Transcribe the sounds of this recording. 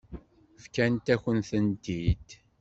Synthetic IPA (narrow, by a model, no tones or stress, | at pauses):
fkænt̪æçənθənt̪id̪